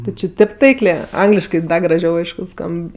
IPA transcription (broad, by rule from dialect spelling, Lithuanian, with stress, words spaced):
ˈtʲɪ t͡ʃʲɪ ˈtʲɪp tɐɪklʲeː ˈɐŋɡlʲɪʃkɜ ˈdɐ ɡrɐˈʒʲɛʊ ˈɐɪʃkʊ ˈskɐmp